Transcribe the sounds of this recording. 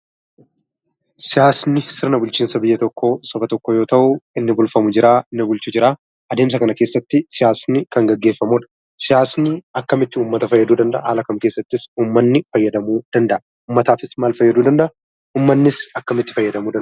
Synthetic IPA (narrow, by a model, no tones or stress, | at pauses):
sɪjaːsnɪsɪɾnɐbʊlt͡ʃiːnsɐbɪjːɐt̪ɔkːo̞ːsɔbɐt̪ɔkːojo̞ːt̪ɐʔʊɪnːɪbʊlfɐmʊd͡ʒɪɾaːɪnːɪbʊlt͡ʃʊd͡ʒɪɾaː | ʔɐd̪eːms̬ɐkɐnɐke̞ːsːɐt̪ːɪsɪjaːsnɪkɐŋɡɐɡːe̞ːfːɐmʊᶑɐ̥ | sɪjaːsnɪɐkːɐmɪt̪ːɪuːmːɐt̪ɐfɐjːɐd̪uːd̪ɐnd̪ɐʔɐa̰ːlɐkɐmke̞ːsːɐt̪ːɪsuːmːɐnːɪfɐjːɐd̪ɐmuːd̪̥ɐnd̪ɐʔɐ | uːmːɐt̪aːfɪsmaːlfɐjːɐd̪uːd̪ɐnd̪ɐʔɐ | uːmːɐnːɪsɐkːɐmɪt̪ːɪ̥fɐjːɐd̪ɐmuːd̪